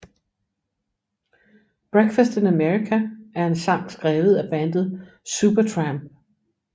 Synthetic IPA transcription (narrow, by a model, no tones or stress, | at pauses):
b̥ʁeɡ̥fæsd̥enæmeʁikʰææɐe̝nsɑ̈ŋ̰̥sɡ̥ʁɛːʊð̞̩ˠæb̥ænd̥ð̞̩ˠ | sub̥ɐt͡sʰʁɑmb̥̚